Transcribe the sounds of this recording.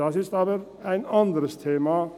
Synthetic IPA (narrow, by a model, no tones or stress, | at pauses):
ɑsɪst̪ɑʋəɾ | æɪnɑnd̪ɾəst̪ʰeːmɑ